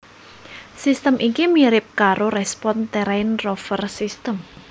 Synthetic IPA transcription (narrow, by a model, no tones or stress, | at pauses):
sist̪əmʔikimiɾɪp̚kaɾoɾɛspɔnt̪eɾaɪnrofərsist̪əm